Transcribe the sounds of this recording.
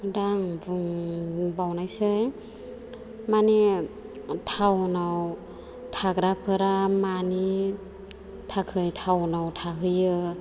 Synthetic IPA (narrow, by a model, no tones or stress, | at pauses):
daŋbŋbawnajsɯj | mane | tʰawnaw | tʰaɡɾapʰɯɾamani | tʰakʰɯjtʰawnawtʰaɦɯjɯ